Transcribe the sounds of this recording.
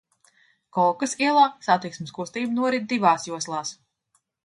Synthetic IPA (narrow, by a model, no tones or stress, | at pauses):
kɔlˠkɐsiɛlˠaːsat̪iksmɨskust̪iːbnuɔɾid̪̚d̪ivaːsjuɔslˠaːs